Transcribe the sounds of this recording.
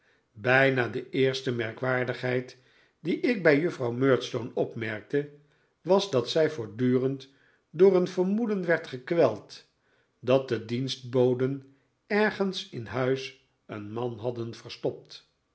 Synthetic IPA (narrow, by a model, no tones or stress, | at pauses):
bɛjnaːdəʔɪːɹstəmɛɹkʋaːɹdəχɦɛjt | diʔɪk̚bɛjɵfrɑwmøːɹtstownɔpmɛɹk̚tə | ʋɑzdɑtsɛjvʊːɹdyːrənt | dʊːrənvəɹmudənʋɛɹtχəkʋɛlˠt | dɑt̚dədinst̚bowdən | ɛɹχənsɪnɦœɥs | ə̰nmɑnɦɑdənvərstɔp̚t